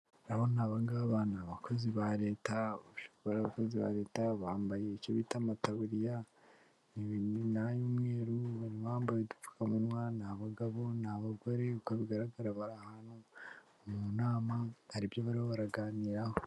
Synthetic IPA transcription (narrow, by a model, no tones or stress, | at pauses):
ɾaβo̞naːβaŋɡaβanaːβakʰo̞ziβaɾe̞ːtaβaʃo̥kβaɾaːβakoziβa̰ɾe̞ːtaβaːmbaje̞icoβitamataβuɾija | niβinnajumŋe̞ːɾuβaɾiaːmbajedu̥fu̥kamunwanaːβaɡaβo̞naβaɡo̞ɾekoβiɡaɾaɡaɾaβaɾahanho | munaːmahaɾibjoβaɾihoβaɾaɡaːniːɾaho